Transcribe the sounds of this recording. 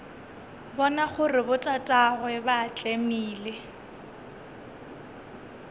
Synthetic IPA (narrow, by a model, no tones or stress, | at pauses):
bɔnaχʊrɪbʊtʼatʼaɣwɛbat͡ɬʼemiːle